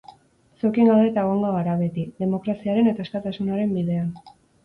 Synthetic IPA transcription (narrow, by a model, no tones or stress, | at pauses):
sokiŋɡawd̪e̞t̪aeɣoŋɡoɣaɾaβe̞t̪iðe̞mo̞kɾasiaɾe̞ne̞t̪aeskat̪asunaɾe̞mbið̞e̞an